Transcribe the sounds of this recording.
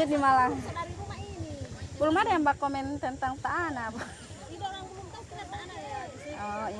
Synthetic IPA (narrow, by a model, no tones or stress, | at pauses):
ət̪̚dimala | ipulumadaambakomɛnt̪ənt̪aŋt̪aːnabɔ | ɔi